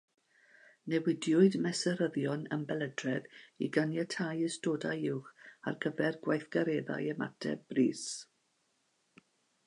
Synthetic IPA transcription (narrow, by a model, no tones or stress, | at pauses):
nɛwɪdjʊɨdmɛsɛɾəðjɔnə̰mbɛlˠədrɛðiɡanjatʰajəstoːdajɪwχa̰rɡəvɛrɡwajθɡ̥aɾeːða̰jəma̰tʰɛ̰briːs